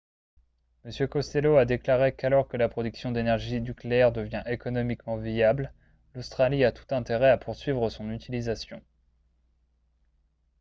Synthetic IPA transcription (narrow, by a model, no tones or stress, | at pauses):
məsjøkɔst̪eload̪eklaʁekalɔʁkəlapχɔd̪yksjɔ̃d̪enɛʁʒinykleɛʁd̪əvjɛ̃ʔekɔnɔmikmɑ̃viabl | lost̪χaliat̪u̥t̪ɛ̃t̪eʁɛapʰuʁsɥivʁəsɔ̃nyt̪ilizasjɔ̰̃